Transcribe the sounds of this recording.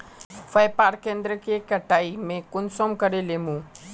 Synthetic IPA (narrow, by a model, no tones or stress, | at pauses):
fɐjpaːɾkẽːnd̪ɾəkekɐʈaːimẽkʊnsomkɐɾeleːmũː